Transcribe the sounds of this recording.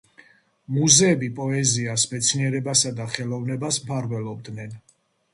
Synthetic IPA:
muzɛːbipʼɔɛziasmɛt̪sʰniɛɾɛbasad̪aχɛlˠɔvnɛbasmpʰaɾvɛlˠɔb̚d̪nɛn

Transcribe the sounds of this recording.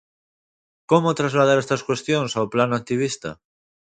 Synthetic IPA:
komot̪ɾazlað̞aɾest̪askwe̞st̪jõnsawplanant̪iβ̞ist̪a̰

